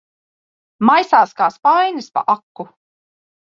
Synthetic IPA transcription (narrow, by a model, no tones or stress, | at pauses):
majsaːskaːspajnɨspa̰ʔakːu